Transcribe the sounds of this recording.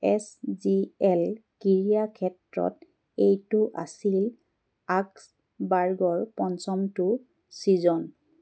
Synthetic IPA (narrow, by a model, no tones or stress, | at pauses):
ɛsziɛlkiɹijakʰɛtɹɔ̰t | ejtʊʔa̰sil | aks | baɹɡɔɹpɔnsɔmtʊ | sizɔn